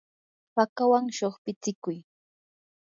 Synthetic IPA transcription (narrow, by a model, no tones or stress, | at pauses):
pakawaŋʃoχpɪt͡sɪkʊj